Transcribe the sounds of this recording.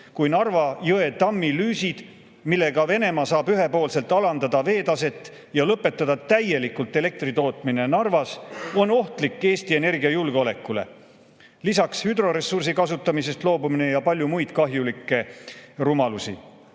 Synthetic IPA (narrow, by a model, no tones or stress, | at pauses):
kujnɑrvɑjoe̞t̪ɑmːilyːsid̪̥ | milːe̞ɡ̥ɑve̞ne̞mɑsɑːbyɦe̞po̞ːlse̞lt̪ˑɑlɑnd̪ɑd̪ɑve̞ːt̪ɑse̞t̪ːˑ | jɑlɤpːe̞t̪ːˑɑd̪̥ɑt̪æje̞likːult̪ːˑe̞le̞k̚t̪rit̪o̞ːt̪ˑmine̞nɑrvɑso̞no̞ht̪likːe̞ːst̪ie̞ne̞rɡiɑjulɡ̥eo̞le̞kːˑule̞̰ | lisɑkshyd̪ro̞ɾe̞sːursikɑsut̪ːˑɑmise̞st̪lo̞ːbumine̞jɑpɑlʲjumujd̪̥kɑɦjulikːˑe̞rumɑlusi